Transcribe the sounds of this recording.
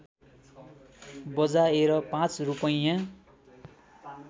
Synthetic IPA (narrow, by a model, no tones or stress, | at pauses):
bʌd͡zaeɾʌpãt͡srupʌjã